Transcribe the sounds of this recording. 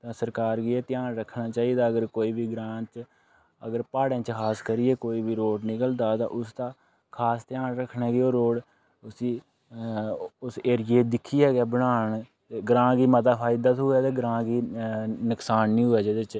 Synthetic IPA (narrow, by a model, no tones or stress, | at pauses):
t̪ãːsəɾkaːɾɡieːt̪ɪjaːnɾəkʰɳaːt͡ʃaːiːd̪aːəɡəɾkoːiːbiːɡɾãːt͡ʃ | əɡəɾpaːɽẽːt͡ʃkʰaːskəɾiːeːkoːiːbiːɾoːɖnɪkəld̪aːt̪ã̰ːʔʊst̪ãː | kʰaːst̪jaːnɾəkʰːneːɡioːɾoːɽ | ʊsiː | ʊseːɾɪeːd̪ɪkʰːiːɛːɡɛːbəɽaːɳ | t̪eːɡɾãːɡiːmət̪aːpʰaːid̪aːt̪ɦʊɛːt̪eːɡəɾãːɡiːnəksaːnnĩːɦʊɛːd͡ʒəd̪et͡ʃ